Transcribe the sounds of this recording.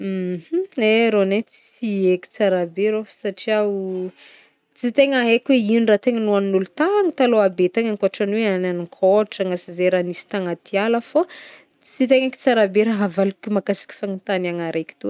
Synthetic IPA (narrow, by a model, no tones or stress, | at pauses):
m̩h̩eɾonet͡sieki̥t͡saɾabeɾofsaʈ͡ʂiau | t͡sit̪eŋaɦekʲweinrat̪eŋənuannulut̪aŋit̪aloabet̪eŋaŋkoʈ͡ʂanweananikʰoʈ͡ʂaŋasizeɾanisi̥t̪aŋat̪ialəfo | t͡sit̪eŋaki̥t͡saɾabeɾaɦavalukʲimakasi̥kʲi̥faŋint̪anaŋaɾʔeki̥t̪u